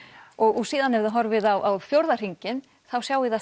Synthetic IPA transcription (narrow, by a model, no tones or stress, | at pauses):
ɔɣɔɣsiːðanɛvðɪɦɔɾvɪðawʔawfjowɾðar̥iɲcɪn | θawsjaːwɪða